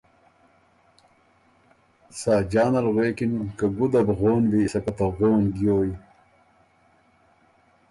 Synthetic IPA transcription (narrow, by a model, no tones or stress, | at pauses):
saːd͡ʑaːnɐlɣweːkinkaɡud̪ɐbɣoːnbisɐkɐt̪ɐɣoːnɡjoːji